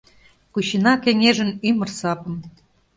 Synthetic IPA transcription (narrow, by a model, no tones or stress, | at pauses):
kuɕinɑkeŋʲeʒə̆nymə̆rsɑpɤ̆m